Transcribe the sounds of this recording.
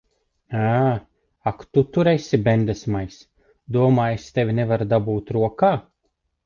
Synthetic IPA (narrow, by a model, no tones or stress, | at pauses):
a | akt̪ut̪uɾɛsʲibʲɛnd̪ɛsmajs | d̪uɔmaːjest̪evʲinɛvaɾd̪abuːt̪ɾuɔkaː